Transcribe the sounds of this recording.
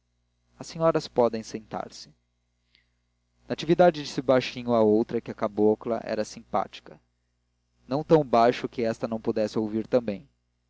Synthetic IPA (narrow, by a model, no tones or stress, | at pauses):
ɐsẽɲɔɾɐspɔd̪ẽj̃sẽnt̪a̰ɾsɪ̥ | nɐat͡ʃivid̪ad͡ʒɪd͡ʒɪsɪbajʃĩɲʊaowt̪ɾɐkɪɐkaboklɐ̰ʔɛ̰ɾɐsĩpa̰t͡ʃi̥kɐ | nɐ̃w̃t̪ɐ̃w̃bajʃʊkɪɛst̪ɐnɐ̃w̃pud̪ɛsɪowviɾt̪ɐ̃mbẽj̃